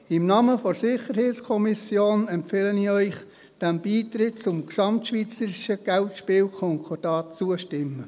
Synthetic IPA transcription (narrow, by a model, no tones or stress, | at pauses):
ɪmnɑːməfɔɾsɪχəɾheɪtskʰɔmisjoːnɛmpfeːləniːœʏχ | d̥ɛmbiːtɾɪtt͡sʊmksɑmtʃʋiːt͡səɾɪʃəɡ̥ɛltʃpɪːlkʰɔŋkʰɔd̥ɑːtt͡suəʃtɪmːə